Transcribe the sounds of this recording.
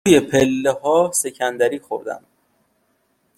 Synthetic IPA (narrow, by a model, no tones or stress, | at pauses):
je̞pʰelːehɒːse̞cʰænd̪æɾiːxo̰ɾd̪æ̰m